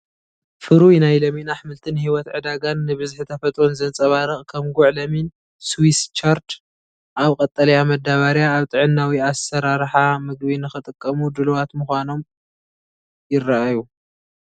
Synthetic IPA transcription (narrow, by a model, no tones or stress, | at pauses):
fɨɾujnajlɐminaħmɨlt̪ʰɨnhiwɔt̪ʕɨd̪aɡanːɨβɨzħɨt̪ʰɐfɐt̪ʼɾonzɐnt͡sʼɐβaɾɨχʼkʰɐmɡʊʕlɐmin | swist͡ʃʰaɾt͡ʃ | ʔaβkʼɐt̪ʼːɐlɐjamɐd̪ːaβaɾjaːβt̪ʼɨʕɨnːawiasɐɾaɾħamɨɡβinɨxɨt̪ʼɨkʼːɐmud̪ɨluwat̪muxʷano̞m | jɪrːaʔaju